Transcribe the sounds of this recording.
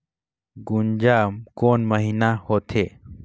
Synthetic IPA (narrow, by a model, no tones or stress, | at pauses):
ɡund͡ʒaːmkoːnməɦinahoːt̪ʰeː